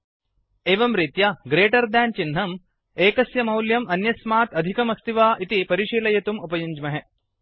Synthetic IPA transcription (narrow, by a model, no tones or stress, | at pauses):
eːʋɐmɾit̪jɐɡɾeːʈɐɾd̪aːnt͡ʃinɦɐm | eːkɐsjɐmɐwljɐmɐnjɐsmaːt̪ɐd̪ʱikɐmɐst̪iʋaːʔit̪ipɐɾiʃiːlɐjɐt̪umupɐjuɲd͡ʒmɐɦe